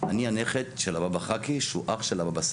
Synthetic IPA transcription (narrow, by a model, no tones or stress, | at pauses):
anianeχet̪ʃelababaχakiʃuʔaχʃelababas